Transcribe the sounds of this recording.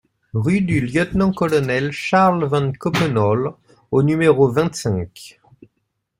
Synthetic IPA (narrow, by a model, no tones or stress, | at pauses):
ʁyd̪yljœt̪nɑ̃kɔlɔnɛlʃaʁlvɑ̃nkɔpənɔl | onymeʁovɛ̃t̪sɛ̃k